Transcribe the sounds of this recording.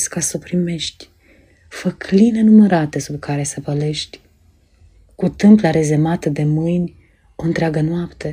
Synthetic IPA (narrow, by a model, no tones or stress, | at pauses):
skasopɾime̞ʃt̪ʲ | fəkline̞numəɾat̪e̞subkʰaɾe̞səpəle̞ʃt̪ʲ | kut̪ɨmplaɾe̞zemat̪əd̪e̞mɨjnʲ | o̞ɨnt̪ɾeaɡənoapt̪e̞